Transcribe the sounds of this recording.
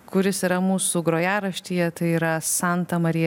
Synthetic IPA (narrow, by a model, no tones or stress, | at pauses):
kʊɾʲɪsiːɾɐmuːsuɡɾoːjæːɾɐʃʲt̪ʲiːjɛt̪ɐɪiːɾɐsɑnt̪ɐmɐɾʲɪj